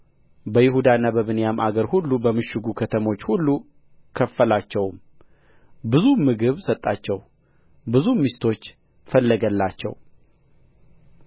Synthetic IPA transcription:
bəjɪɦud̪anːabəβɨnjamʔaɡəɾhulːubəmɨʃɨɡukʰət̪ʰəmo̞t͡ʃːhulːu | kʰəfːəlat͡ʃːɛwm | bɨzumɨɡɨβsət̪ʼːat͡ʃːɛw | bɨzumːist̪ʰo̞t͡ʃː | fəlːəɡəlːat͡ʃːɛ̰w

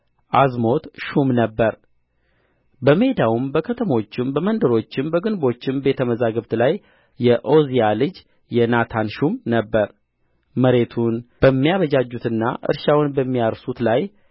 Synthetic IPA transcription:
ʔazmo̞t̪ʃumnəbːəɾ | bəme̞d̪awumbəkʰət̪ʰəmo̞t͡ʃːɪmbəmənd̪əɾo̞t͡ʃːɪmbəɡɨnbo̞t͡ʃːɪmbe̞t̪ʰəməzaɡəβt̪lajː | ɛʔo̞zijalɨd͡ʒ | jɛnat̪ʰanʃumnəbːəɾ | məɾe̞t̪ʰunb̥əmːijaβəd͡ʒad͡ʒːut̪ɨnːa̰ʔɨ̰ɾʃawnbəmːijaɾsut̪laj

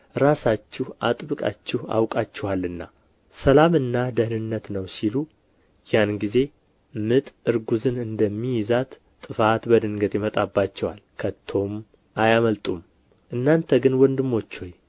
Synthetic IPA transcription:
ɾasat͡ʃːɪhʔa̰t̪ʼbɨkʼa̰t͡ʃːɪha̰wkʼat͡ʃːɪwalːɨnːa̰ | səlamɨnːad̪əhnɨnːət̪nəwsilu | janɡize̞ | mɨt̪ʼɨɾɡuzɨnɨnd̪əmːijɪzat̪ | t̪ʼɨfat̪bəd̪ɨŋɡət̪jɪmət̪ʼabːat͡ʃːɛwalkʰət̪ʰːo̞m | ʔajaməlt̪ʼum | ʔɨnːant̪ʰəɡɨnwɔnd̪ɨmːo̞t͡ʃːhoj

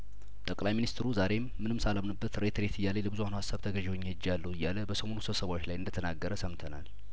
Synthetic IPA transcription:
t̪ʼəkʼlajminist̪ɾuzaɾe̞mːɨnɨmsalamnɨbːət̪ɾet̪ɾe̞t̪ʰɨjːalələbɨzuhanhasːaβt̪ʰəɡəʒɛwoɲːed͡ʒːalːəhwɨjːaləbəsəmo̞nusɨβsəβaot͡ʃːlajɨnd̪ət̪ʰənaɡːəɾəsəmt̪ʰəna̰l

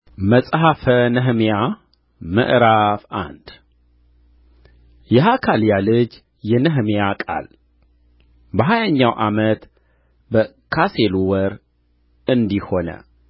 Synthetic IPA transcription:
məsʼɦafənəɦmija | mə̰ʔɾafʔa̰nd̪̥ | jɛɦakʰaljalɨd͡ʒ | jɛnəɦmjakʼa̰l | bəɦajaɲːawʔamət̪ | bə | kʰaseluwəɾ | ɨnd̪iho̞nə̰

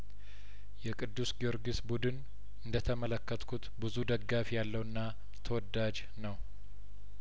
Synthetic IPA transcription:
jɛkʼɨd̪ːusɡio̞ɾɡisbud̪ɨn | ɨnd̪ət̪ʰəmələkːət̪kʰut̪bɨzud̪əɡafijalːəwɨnːa | t̪ʰəwɔd̪ːad͡ʒ | nəw

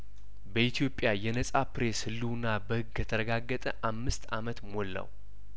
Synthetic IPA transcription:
bəit̪ʰijo̞pʼːjajɛnəsʼapɾe̞shɨlːuwnːabəhɨɡjɛt̪ʰəɾəɡaɡːət̪ʼəʔamːɨst̪amət̪molːa̰w

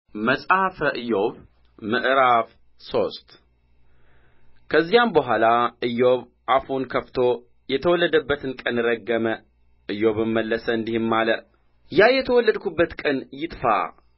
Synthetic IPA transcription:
məsʼafəʔɨjoβ | mɨʔɾaf | so̞st̪ | kʰəzːijambəɦʷalaɨjːoβ | ʔafunkʰəft̪ʰo | jɛt̪ʰəwɔlːəd̪əbːət̪ʰɨnkʼənɨɾəɡːəmə | ʔɨjoβɨmməlːəsəɨnd̪ihɨmːalə | jajɛt̪ʰəwɔlːəd̪kʰubːət̪kʼənjɪt̪ʼfa̰

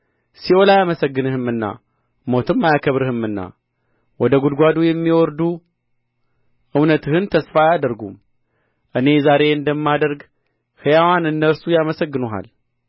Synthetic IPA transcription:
siwolajaməsəɡːɨnɨhɨmɨnːa̰ | mo̞t̪ɨmːajakʰəβɾɨhɨmɨnːa̰ | wɔd̪əɡud̪ɡʷad̪ujɛmːiwɔɾd̪u | ʔɨwnət̪ʰɨhɨnt̪ʰəsfajad̪əɾɡum | ʔɨne̞zaɾe̞ɨnd̪əmːad̪əɾɡ | hɨjawanɨnːəɾsujaməsəɡːɨnuɦa̰l

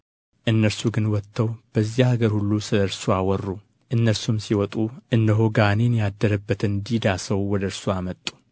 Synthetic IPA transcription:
ʔɨnːəɾsuɡɨnwɔt̪ʰːəwb̥əzːihaɡəɾhulːusɨləɨɾsuawɔrːu | ʔɨnːəɾsumsiwɔt̪ʼuʔɨnd̪əɦoɡanenjad̪ːəɾəbːət̪ɨnd̪id̪asəwwɔd̪əɾsuamət̪ʼːu̥

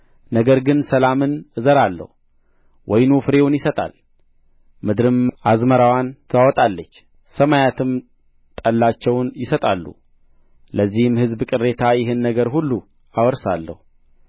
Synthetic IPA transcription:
nəɡəɾɡɨnsəlamɨnɨzəɾalːə̰hu | wʔɔjnufɨɾe̞wunjɪsət̪ʼa̰l | mɨd̪ɾɨmʔazməɾawant̪ʰəwawɔt̪ʼalːət͡ʃː | səmajat̪ʰɨm | t̪ʼəlːat͡ʃːɛwnjɪsət̪ʼalːṵ | ləzːihɨmhɨzbkʼɨrːe̞t̪ʰajɪɦɨnːəɡəɾhulːu | awɔɾsalːə̰hu

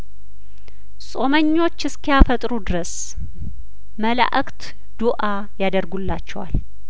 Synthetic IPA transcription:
sʼo̞məɲːo̞t͡ʃːɨskʰijafət̪ʼɾud̪ɨɾəs | məla̰ʔəkt̪ | d̪̥uʔa | jad̪əɾɡulːat͡ʃːɛwa̰l

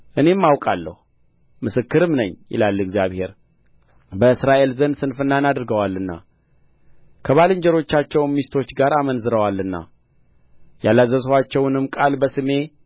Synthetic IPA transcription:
ʔɨne̞mːawkʼalːə̰hu | mɨsɨkːɨɾɨmnəɲːjɪ̰lalːɨɡzijaβhe̞̰ɾ | bəɨsɾaʔe̞lzənsɨnfɨnːanad̪ɨɾɡəwalːɨnːa̰ | kʰəβalɨɲd͡ʒəɾo̞t͡ʃːat͡ʃːɛwnmist̪ʰo̞t͡ʃːɡaɾamənzɨɾəwalːɨnːa̰ | jalːazːəzwat͡ʃːɛwnɨmkʼalbəsɨme̞

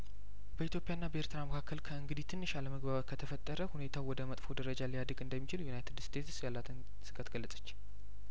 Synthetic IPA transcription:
bəit̪ʰjo̞pʼjanːabəʔeɾt̪ɨɾaməkʰakːəlkʰəɨŋɡɨd̪it̪ʰɨnːɨʃaləməɡbaβakʰət̪ʰəfət̪ʼːəɾəhune̞t̪ʰawwɔd̪əmət̪ʼfo̞d̪əɾəd͡ʒalijad̪əɡɨnd̪əmːit͡ʃɪljunajt̪ʰɨd̪st̪ʰe̞t̪sjalːat̪ʰɨn | sɨɡat̪ɡ̥əlːəsʼə̥t͡ʃː

